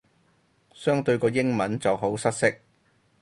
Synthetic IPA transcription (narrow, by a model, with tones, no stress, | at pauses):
sœː˥ŋt̪ɵ˧ɥkɔː˧jɪ˥ŋmɐ˨˥nt͡sɐ˨wɦo˨˥wsɐ˥t̚sɪ˥k̚